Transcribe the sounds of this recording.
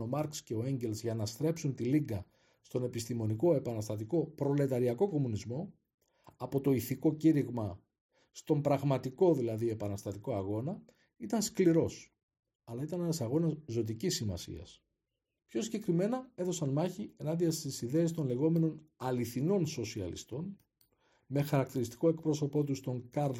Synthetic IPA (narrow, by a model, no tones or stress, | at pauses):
o̞mɐɾksce̞o̞e̞ɲɟe̞lzʝɐnɐst̪ɾe̞psunt̪iliɡɐ | st̪o̞ne̞pist̪imo̞niko̞e̞pɐnɐst̪ɐt̪iko̞pɾo̞le̞t̪ɐɾiɐko̞ko̞munizmo̞ | ɐpo̞t̪o̞iθiko̞ciɾiɣmɐ | st̪o̞mbɾɐɣmɐt̪iko̞ðilɐðie̞pɐnɐst̪ɐt̪iko̞ɐɣo̞nɐ | it̪ɐnskliɾo̞s | ɐlɐit̪ɐnenɐsɐɣo̞nɐzzo̞t̪icisːimɐ̰sḭɐ̰s | pço̞siɲɟe̞kɾime̞nɐe̞θo̞sɐnmɐçie̞nɐnd̪iɐst̪isiðe̞est̪o̞nle̞ɣo̞me̞no̞nɐliθino̞nso̞siɐ̰lḭst̪o̞n | me̞xɐɾɐk̚t̪iɾist̪i̥ko̞e̞k̚pɾo̞so̞po̞t̪ust̪o̞ŋkɐɾ